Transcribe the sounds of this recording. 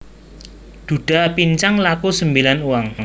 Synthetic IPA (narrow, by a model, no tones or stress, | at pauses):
d̪̥ṳd̥a̤piɲt͡ʃaŋlakusəmbilanuwaŋ